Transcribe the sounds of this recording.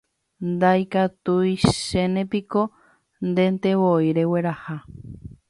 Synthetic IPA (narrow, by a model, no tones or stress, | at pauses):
nd̪ajkat̪ujʃenẽpiko | nd̪ent̪eβojɾeweɾaha